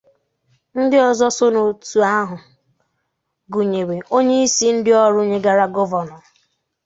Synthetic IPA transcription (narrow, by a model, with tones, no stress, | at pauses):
n̩˦dɪ˦ɔ˨zɔ˦sʊ˦no˨tu˨a˦ɦʊ˨ | ɡu˨ɲe˨we˨ʔo˦ɲe˦i˦si˦n̩˦dɪ˦ɔ˦ɾʊ˦ɲe˦ɡa˨ɾa˦ɡɔ˦vɔ˨nɔ˨